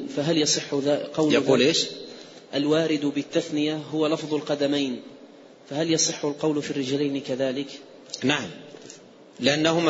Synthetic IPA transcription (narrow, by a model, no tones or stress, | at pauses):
faɦaljɑsˤɨħːʊðaqɑwljɑquːlʔeːʃ | ʔalwaːɾɪd̪bɪt̪ːaθnɪjaɦʊwalɑfðˤʊlqɑd̪amajn | fahaljɑsˤɨħːʊlqɑwlfirːɪd͡ʒlajnɪkaðaːlɪk | naʕam | lɪʔanːahʊm